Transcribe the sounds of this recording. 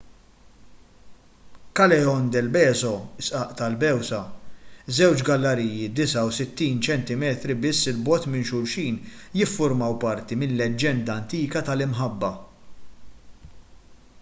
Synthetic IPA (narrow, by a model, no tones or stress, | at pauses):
kɐlɛɔnd̪ɛlbɛːzɔɪsʔɐʔt̪ɐlbɛwsɐzɛwt͡ʃɡɐlːɐɾiːjːid̪ɪsɐwsɪt̪ːiːnt͡ʃɛnt̪ɪmɛːt̪ɾibɪsːɪlbɔt̪mɪnʃʊɾʃiːnjɪfːʊɾmɐwpɐɾt̪imɪnlɛd͡ʒːɛnd̪ɐɐnt̪iːkɐt̪ɐlɪmħɐbːɐ